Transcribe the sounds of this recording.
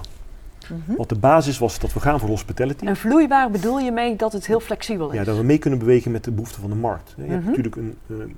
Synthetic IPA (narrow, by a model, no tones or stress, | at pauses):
ʋɑt̚dəbaːzɪsʋɑsdɑtʋəχaːnvʊːɹrɦɔspitalətiənvlujʋaːrbədulˠjəmejdɑtɦətɦɪːlˠflɛksibəlˠjadɑtʋəmejkɵnənbəʋejɣənmɛt̚dəbəɦuftəvɑndəmɑ̰ɹk̚tɦɛ̰jəɛntyːɹləkənə